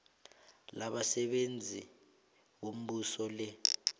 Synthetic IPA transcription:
laɓasɛɓend͡zʱi | ɓom̩ɓusɔlɛ

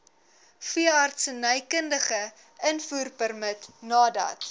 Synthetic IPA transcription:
fiəɐrtsənœjkəndəχə | ənfuːrpərmətnɑːdɐ̰t

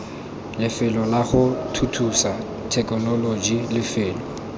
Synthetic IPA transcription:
lɪfɪlɔlaχʊtʰutʰusa | tʰɛkʼɔnɔlod͡ʒilɪfɪːlɔ

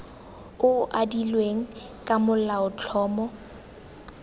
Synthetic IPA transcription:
ʊʔadilweŋ̩kʼamʊl̩laʊt͡ɬʰɔːmɔ

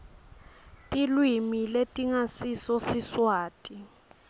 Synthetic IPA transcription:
tʼilwimiletʼiŋasisɔsiswaːtʼi

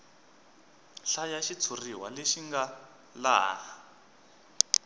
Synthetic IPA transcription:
ɬajaʃit͡sʰuriɦwa̰leʃiŋɡa | la̰ːɦa

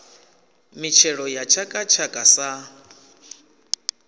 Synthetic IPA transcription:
mit͡ʃʰɛɺɔjat͡ʃʰakʼat͡ʃʰakʼasa

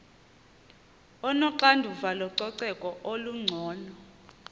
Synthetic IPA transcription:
ɔnɔǀandʱuvalɔǀɔǀɛkʼɔʔoluŋ͡ǀʱɔːnɔ

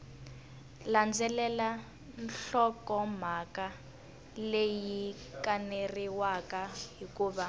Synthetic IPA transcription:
land͡zɛlɛla | nɬɔkɔm̤aka | leji | kaneriwakaɦikuːβa

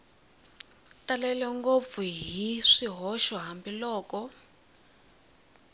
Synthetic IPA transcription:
talɛlɛŋɡob̪fuɦiʂiɦɔʃɔɦambilɔːkɔ

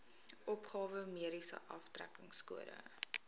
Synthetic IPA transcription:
ʔɔpχɑːvəmiəɾisə̰ʔɐftræ̰kəŋskuəɾə̰

